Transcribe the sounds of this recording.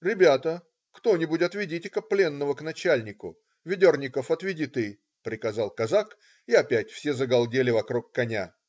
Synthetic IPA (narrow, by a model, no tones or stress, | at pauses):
ɾʲɪbʲat̪ə | kt̪o̞nʲɪbʊtʲɐt̪vʲɪdʲitʲɪkəplʲe̞nːəvəknɐt͡ɕælʲnʲɪkʊ | vʲɪdʲornʲɪkəfɐt̪vʲɪdʲit̪ɨ | pɾʲɪkɐzɑlˠkɐzak | iɐpʲætʲfsʲezəɡɐlˠdʲelʲɪvɐkɾukːɐnʲa